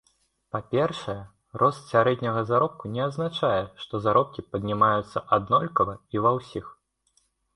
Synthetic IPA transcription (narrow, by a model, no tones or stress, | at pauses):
papʲɛrʂɐjɛ | rʔɔst̪sʲaɾɛd̪ʲnʲɐɣɐzaɾɔp̚kunʲɛaznat͡ʂajɛʂt̪ɔzaɾɔp̚kʲipɐd̪̚ʲnʲimajut̪sːɐʔad̪nɔlʲkɐvɐivawsʲix